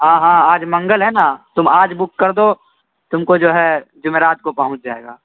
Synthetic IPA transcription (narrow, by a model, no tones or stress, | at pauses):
ɦãːɦãːaːd͡ʒmɐ̃ŋɡəlɦɛnat̪ʊmaːd͡ʒbʊkːɐɾd̪oː | t̪ʊmkod͡ʒoːɦɛd͡ʒʊmeːɾaːt̪̚kopɐɦʊ̃t͡ʃd͡ʒaːḛːɡaː